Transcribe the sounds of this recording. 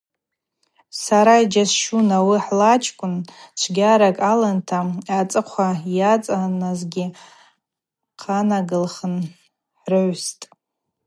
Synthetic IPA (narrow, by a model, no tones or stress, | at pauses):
saɾaid͡ʒasʃunawiħlat͡ʃʰkʷʼʊnt͡ʃʷʰɡʲaɾakʼalantʰaːt͡sʼɨqʷʰajat͡sʼanazɡʲɪ | qʰanaɡɨlχən | ħrɨʕʷstʼ